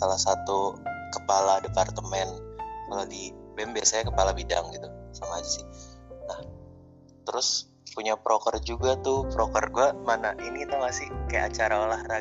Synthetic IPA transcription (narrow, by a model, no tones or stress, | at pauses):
salahsat̪ukəpaladepart̪əmɛnkalodibɛmbiasajakəpalabida̰ŋɡit̪usamaːd͡ʒasɪhnah | t̪əɾʊs | puɲapɾʔokərd͡ʒuɡat̪ʊhpɾokərɡuamanaʔinit̪uŋasɪkaja̰ʔat͡ʃaɾaolahra